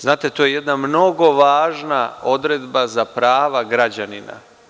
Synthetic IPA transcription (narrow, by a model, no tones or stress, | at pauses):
znaːt̪et̪ojeje̞d̪namno̞ɡo̞ʋaːʒnao̞d̪ɾe̞d̪bazapɾaːʋaɡɾad͡ʑanina̰